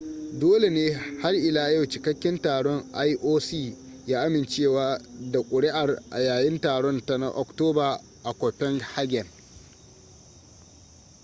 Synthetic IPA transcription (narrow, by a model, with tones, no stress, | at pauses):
doː˦le˨neː˦ha˦rʔɪ˨laː˦jɐ˦˨wt͡ʃɪ˨kɐ˦kʲːɪ˦ntaː˨ɽɔ˦ŋʔa˦jʔoː˦siː˦˨jaː˦ʔa˦mɪ˨nt͡ʃeː˦˨waː˦da˨kʷʼʊ˨ɽɪ˦ʔa˨rʔa̰˨jaː˨jɪ˦ntaː˨ɽɔ˦nta˦na̰˦ʔɔ̰˨ktoː˦baː˨ | ʔa˨kʷɔ˨ɸɛ˦ŋha˦ɡʲɛ˨n